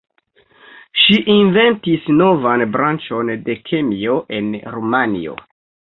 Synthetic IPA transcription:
ʃiʔinve̞ntisno̞vanbɾant͡ʃo̞nde̞kʰemio̞ʔe̞nɾumanḭo̰

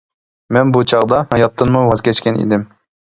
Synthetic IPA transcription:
mɛnbut͡ʃʰɑʁd̪ɑhɑjɑt̪ːɨnmuwɑzkʲʰɛt͡ʃkʲɛnḭd̪ɪm

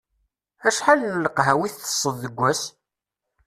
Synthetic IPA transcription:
æʃħalləqɦæwiθθə̥sˤːəððəɡʷːæs

